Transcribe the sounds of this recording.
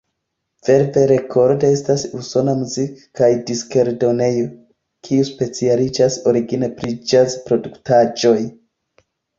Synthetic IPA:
v̥e̞ɾve̞ɾe̞kʰo̞ɾdee̞stasuso̞namuzikkajdiske̞ɾdo̞ne̞jo̞ | kʰiuspe̞t͡sialid͡ʒaso̞ɾiɡinepɾid͡ʒazpɾo̞duktad͡ʒo̞j

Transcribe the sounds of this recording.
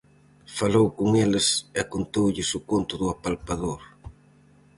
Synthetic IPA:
falowkoŋelɪsɛakont̪owʎɪsʊkont̪ʊðʊapalpaðoɾ

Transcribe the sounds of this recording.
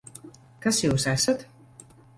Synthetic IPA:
kasjuːsæsat̪

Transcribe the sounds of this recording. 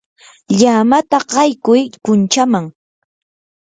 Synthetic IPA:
ʎamat̪aɢɑjkʊjpʊnt͡ʃamaŋ

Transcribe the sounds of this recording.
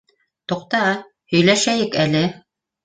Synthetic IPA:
t̪ŏqt̪ɑɑ | hɵ̆jlæʃæjɘkælɘ

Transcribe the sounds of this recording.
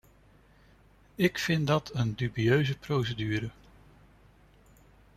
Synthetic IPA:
ɪkfɪndɑtʰəndybiøɥzəprowsədyːɾə

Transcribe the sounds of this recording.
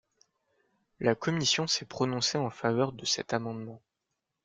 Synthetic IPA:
lakɔmisjɔ̃sɛpχɔnɔ̃seɑ̃favœʁd̪əsɛ̰t̪amɑ̃d̪mɑ̃

